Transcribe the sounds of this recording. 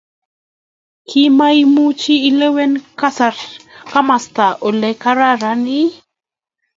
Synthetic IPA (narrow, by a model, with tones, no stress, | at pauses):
kʰi˦ma˦i˦mu˦t͡ʃiː˦le˦wɛ˦nka˦sa˨ɾka˦ma˨st̪a˨ʔo˨lɛ˨ka˦ɾa˦ɾa˦ni˦